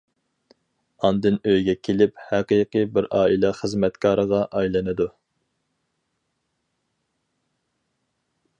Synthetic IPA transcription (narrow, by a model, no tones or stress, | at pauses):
ɑnd̪ɨnøjɡʲɛkʲʰelɪphæqijqɨbɪɾɑːilˠɛχəzmɛt̪kʰɑːɾəʁɑʔɑjlˠɨnɨd̪u